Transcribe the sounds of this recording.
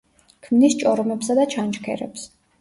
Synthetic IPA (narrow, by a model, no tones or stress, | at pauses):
kʰmnist͡ʃʼɔɾɔmɛpsad̪at͡ʃʰant͡ʃkʰɛ̰ɾɛ̰ps